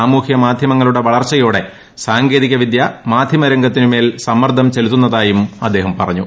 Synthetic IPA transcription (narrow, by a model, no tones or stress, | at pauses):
aːmuːhjɐmaːd̪ʱjɐmɐŋːɐɭuɽe̞ʋɐɭɐrt͡ɕːɐjoːɽe̞ | saːŋɡe̞ːðikʲːɐʋid̪jɐmaːd̪ʱjɐmɐɾɐŋɡɐt̪ːinume̞ːlsɐmːɐrd̪ʱɐmt͡ɕelt̪ːunːɐðaːjumɐd̪ːe̞ːɦɐmpɐrɐɲːu